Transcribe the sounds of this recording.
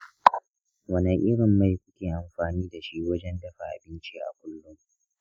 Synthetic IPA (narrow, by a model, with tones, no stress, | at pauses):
wɐ˦na˨ʔɪ˦ɽɪ˨mːa˨jkʷʊ˦kʲeː˨ʔa˨mɸaː˨niː˦da˨ʃi˦wɐ˦d͡ʒɛ˦ndɐ˨ɸa˨ʔa̰˨bɪ˦nt͡ʃi˦ʔa̰˨kʷʊ˦lːʊ˦ŋ